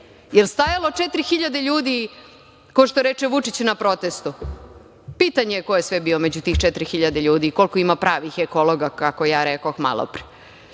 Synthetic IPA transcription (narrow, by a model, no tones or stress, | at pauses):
jelst̪ajalo̞t͡ʃet̪ɾixiʎad̪eʎuːd̪i | koʃt̪oɾet͡ʃeʋut͡ʂit͡ɕnapɾo̞t̪est̪u | pit̪aɲejeko̞jesʋebiːomed͡ʑut̪iːxt͡ʃet̪ɾixiʎad̪eʎuːd̪iːko̞lˠkoimapɾaːʋixekolˠoɡakakojaːɾekoxma̰lˠo̰pɾi̥